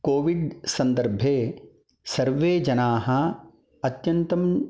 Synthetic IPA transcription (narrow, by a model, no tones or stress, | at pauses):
koːʋiɖsɐ̃nd̪əɾbʱeː | sɐɾʋeːd͡ʒɐnaːɦɐ | ɐt̪jɐnt̪ɐm